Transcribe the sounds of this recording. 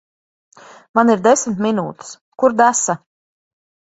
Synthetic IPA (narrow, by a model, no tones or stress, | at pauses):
maniɾd̪esʲmʲt̪minuːt̪i̥s | kuɾd̪æsa